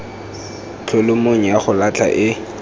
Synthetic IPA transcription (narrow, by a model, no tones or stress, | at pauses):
t͡ɬʰʊlʊmoŋ̩jaχʊlat͡ɬʰa̰ʔɪ